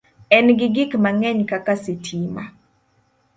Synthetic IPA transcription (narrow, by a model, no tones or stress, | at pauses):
ɛnɡɪɡɪkmaŋɛɲkakasitʰima̰